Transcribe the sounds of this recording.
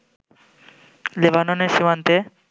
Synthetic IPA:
lebanoneɾʃimant̪e

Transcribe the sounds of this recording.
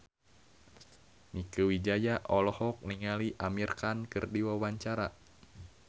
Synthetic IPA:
mikəwid͡ʒajaʔɔlɔhɔk̚niŋaliʔamirkankɨrdiwawaɲt͡ʃaɾa

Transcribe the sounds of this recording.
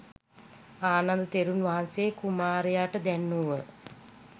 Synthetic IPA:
aːnand̪ət̪eɾunʋaɦansekumaːɾejaʈəd̪ænːuʋə

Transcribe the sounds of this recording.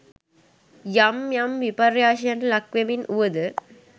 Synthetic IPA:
jɐmjɐmʋipɐɾjaːʃɐnlɐkʋɐminʔuʋɐd̪ɨ

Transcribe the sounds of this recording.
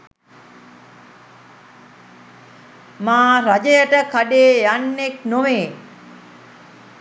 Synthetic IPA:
maːɾad͡ʒəjəʈəkaɖeːjanːeknoʋeː

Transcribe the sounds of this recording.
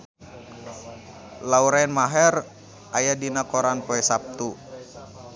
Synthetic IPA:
lauɾainmaɦɛr | ʔajadinakoɾanpoɛsap̚t̪u

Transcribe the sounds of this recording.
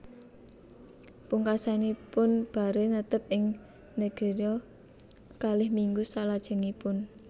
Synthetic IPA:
puŋkasanipʊnb̥a̤ɾenət̪əp̚ʔɪŋ | neɡ̥e̤ɾiɔ | kalɪhmiŋɡusalad̥ʒ̥ə̤ŋipʊn

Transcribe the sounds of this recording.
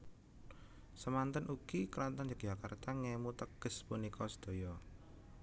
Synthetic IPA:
səmant̪ənʔukikəɾant̪and͡ʒak̚ʒ̥akart̪aŋɛmut̪əɡ̥əspunikʰɔsə̥d̪̥o̤jɔ

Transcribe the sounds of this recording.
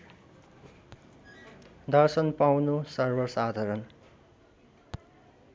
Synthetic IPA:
d̪ʌrsʌnpawnusʌrbʌrsad̪ʱʌɾʌn

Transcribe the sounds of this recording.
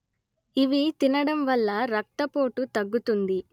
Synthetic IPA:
iʋit̪inɐɽɐmʋɐlːɐɾɐk̚t̪ɐpo̞ːʈut̪ɐɡːut̪und̪i

